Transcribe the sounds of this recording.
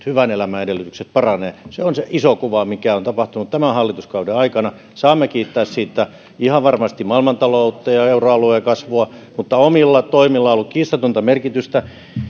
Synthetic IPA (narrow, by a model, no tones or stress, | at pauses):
hyʋænelæmæedelːˑyt̪ykset̪̚pɑrɑneːseonseʔisokuʋɑmikæont̪ɑpɑht̪unut̪t̪æmæhɑlːit̪uskɑudeɑikɑnɑ | sɑːmːekiːt̪ːæːssiːt̪ːæ | ihɑʋʋɑrmɑst̪imɑilmɑnt̪ɑlout̪ːɑjɑeuroɑluekɑsʋoɑ | mut̪ːɑomilːɑt̪oimilːɑolːukkiːst̪ɑt̪ont̪ɑmerkit̪yst̪æ